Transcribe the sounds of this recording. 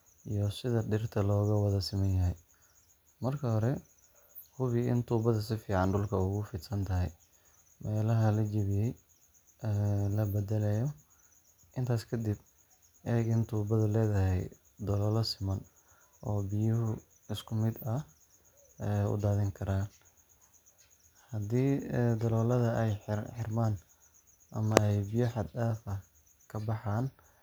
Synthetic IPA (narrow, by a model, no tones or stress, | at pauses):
ʔijɔsɪðɐɖɪrt̪ʰɐlɔːɣɐwɐðɐsɪmɐnjɐɦɛj | mɐrkʰɐhɔɾɛ | hʊβɪɪ̰nt̪ʰuːbɐðɐsɪfiːʕɑnɖʊlkʰɐʊɣʊfiːd̪sɐnt̪ʰɐɦɛj | mɛːlɐɦɐlɐd͡ʒɐβɪjɛj | ɛːlɐbɛd̪ɛlɛjɔ | ʔɪnt̪ʰaːskʰɐd̪ɪb | ʔɛːɡɪnt̪ʰuːbɐðɐlɛːðɐhɛ̰j | d̪ɔlɔːlɐsɪmɐn | ʔɔːbɪjʊɦʊ | ɪskʰʊmɪd̪ɐ | ʊ̰d̪aːðɪŋkʰɐɾaːn | hɐd̪iːd̪ɐlɔːlɐðɐɛjħɪrmaːn | ʔɐ̰mɐɛjbɪjɐħɑd̪daːfɐ | kʰɐbɑħaːn